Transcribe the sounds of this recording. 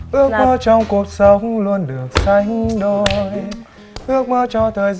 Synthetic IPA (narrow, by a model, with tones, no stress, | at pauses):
ʔɨ˦˥ək̚m˧˦t͡ʃɔ˧wŋ͡mku˧˩t̚sə˧ku˦lu˧ənɗɨ˨˩ək̚saː˧jɦi˦ɗo˧j | ʔɨ˦˥ək̚mə˧˥t͡ʃɔ˧t̪ʰə˨˩jz